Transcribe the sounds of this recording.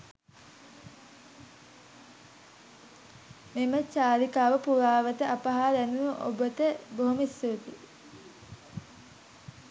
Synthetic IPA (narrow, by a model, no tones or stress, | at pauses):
memət͡ʃaːlikaːʋəpuɾaːʋət̪əʔapaɦaːd̪ænunuʔo̰bət̪əboɦumisːut̪i